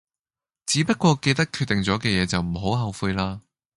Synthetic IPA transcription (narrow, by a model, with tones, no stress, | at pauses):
t͡siː˨˥pɐ˥t̚kʷɔː˧ke˧jt̪ɐ˥kʰyː˧t̪̚ɪ˨ŋt͡sɔː˨˥kɛː˧jɛː˨˧t͡sɐ˨wm̩˨˩ɦo˨˥wɦɐ˨˧wfuː˧jlaː˥